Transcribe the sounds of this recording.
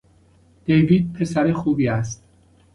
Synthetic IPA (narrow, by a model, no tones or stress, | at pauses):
d̪̥ejviːd̪̚pʰe̞sæɾexuːbiːæst̪̚